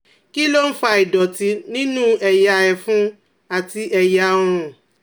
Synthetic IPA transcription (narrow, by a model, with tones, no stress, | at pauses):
ki˦lo˦n̩˦fa˧i˨dɔ˨ti˧nĩ˦nũ˦ɛ˨ja˧ɛ˧fũ˦ | a˨ti˧ʔɛ˨ja˧˦˧ɾ̃ũ˨